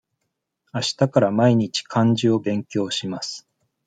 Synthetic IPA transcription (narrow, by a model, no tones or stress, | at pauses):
aɕi̥t̪akaɾamaiɲ̟it͡ɕi̥kʰãɲd͡ʑio̞bẽ̞ŋkʲo̞ːɕimasɨ̥